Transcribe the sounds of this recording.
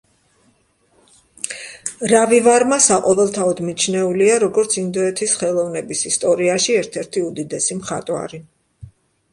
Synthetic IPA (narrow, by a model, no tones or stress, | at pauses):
ɾavivaɾmasaqʼɔvɛlˠt̪ʰaɔd̪mit͡ʃʰnɛuliaɾɔɡɔɾt̪sʰind̪ɔɛt̪ʰisχɛlˠɔvnɛbisist̪ʼɔɾiaʃiɛɾt̪ʰɛɾt̪ʰiud̪id̪ɛsimχa̰t̪ʼwa̰ɾi